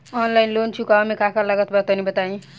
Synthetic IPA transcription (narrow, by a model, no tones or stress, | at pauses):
ʌnlajnlont͡sʰukaʌmekʰakalʌɡʌt̪bʌt̪ʌnibʌt̪aĩ